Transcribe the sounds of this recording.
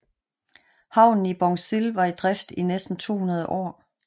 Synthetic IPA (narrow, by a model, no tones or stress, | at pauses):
hɑ̈ʊ̰nn̩ib̥ɒŋselʋɑ̈id̥ʁɛfd̥inesd̥n̩t͡sʰo̝̰ːhunɐð̞ˠəʔɒ̰ː